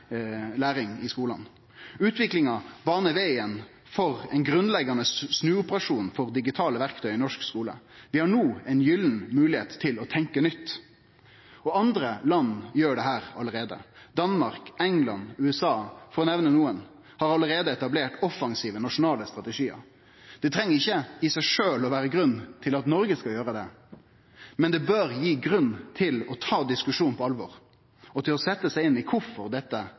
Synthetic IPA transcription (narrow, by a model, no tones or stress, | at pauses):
læːɾɪŋɪskuːlɑ̰n | ʉːt̪ʰʋɪklɪŋɑbɑːʁnəʋæɪən | fɔʁɛɪnɡɾʉnlɛɡːɑnəsnʉːʊpəʁɑʂuːnfɔʁd̪ɪɡɪt̪ʰɑːləʋæʁkt̪ʰœʏɪnɔʂkskuːlə̰ | ʋɪhɑɳuːɛɪnjʏlnmʉːlɪḛːt̪ʰːɪlɔt̪ʰɛŋkənʏt̪ː | ɔɑnd̪ɾəlɑnːjøːɖɛɦæːʁɑləɾeːd̪ə̰d̪ɑnmɑʁkɛŋlɑnʉːɛsɑːfɔɾɔnɛʋnənuːən | hɑɾɑləɾeːd̪əɛt̪ɑbleːʈɔfɑŋsiːʋənɑʂʊnɑːləst̪ɾʁɑt̪əʂiːə̰ɾ | d̪̥ɛt̪ʰɾɛŋːəʁɪçːəɪsæɪʂøːlɔʋæːɾəɡɾʉnːt̪ʰɪlɑt̪nɔɾɡəskɑljøːɾəd̪ɛ | mɛnd̪ɛbøːɾjiːɡɾʉnːt̪ʰɪlɔt̪ʰɑːd̪ɪskʉʂuːnpʰɔɑlʋɔɾ | ɔt̪ʰɪlɔsɛt̪ːəsæɪɪnːɪkʰʊfɔɾd̪ɛt̪ːə